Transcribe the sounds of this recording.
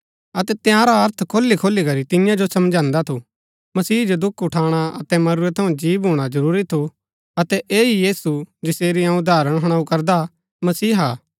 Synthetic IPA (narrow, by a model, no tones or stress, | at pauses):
ɐt̪ɛt̪jãɾaɐɾt̪ʰkʰoːlːikʰoːlːikɐɾit̪ɪjãd͡ʒosɐmd͡ʒãːnd̪at̪ʰu | mɐsiːd͡ʒod̪ʊkʰʊʈʰaːɽ̃aɐ̰t̪ɛmɐɾuɾɛt̪ʰɐũd͡ʒiːbɦuːɽ̃ad͡ʒɐɾuːɾit̪ʰu | ɐt̪ɛʔeːijiːsud͡ʒɪseːɾiãːũd̪ʱaːɾəɽ̃ɦɐɽ̃aːukɐɾd̪a | mɐsiːɦaː